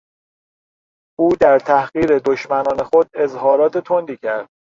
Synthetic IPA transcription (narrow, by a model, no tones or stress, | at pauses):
ʔuːd̪æɾt̪ʰæhɣiːɾe̞d̪oʃmænɒːne̞xod̪e̞zhɒːɾɒːt̪ʰet̪ʰond̪iːcʰæɾd̪̥̚